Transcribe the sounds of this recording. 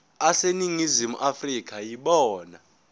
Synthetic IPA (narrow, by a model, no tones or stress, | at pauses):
aseniŋizimṵʔafrik̬ʰʼajiɓɔːna